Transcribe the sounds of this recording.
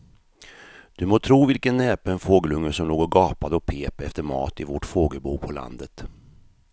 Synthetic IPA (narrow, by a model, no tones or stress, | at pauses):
d̪̥ɵmoːt̪ʰɾuːvɪlkənːɛːpəɛnfoːɡəlɵŋːəʂɔmloːɡɔɡɑːpad̪əɔkpʰeːpɛft̪əɾmɑ̰ːt̪ɪvɔʈfoːɡəlbuːpʰɔla̰nd̪ət̪